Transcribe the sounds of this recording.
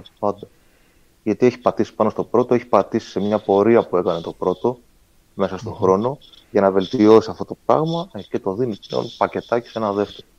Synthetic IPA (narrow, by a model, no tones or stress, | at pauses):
pɐd̪o | ʝɐt̪ieçi̥pɐt̪isi̥pɐno̞st̪o̞pɾo̞t̪o̞eçi̥pɐt̪isi̥se̞mɲɐpo̞ɾiɐpue̞kɐne̞t̪o̞pɾo̞t̪o̞ | me̞sɐst̪o̞xɾo̞no̞ | ʝɐnɐve̞lt̪io̞siɐft̪ot̪o̞pɾɐ̰ɣmɐce̞t̪o̞ðinio̰lipɐce̞t̪ɐci̥se̞nɐðe̞ft̪eɾo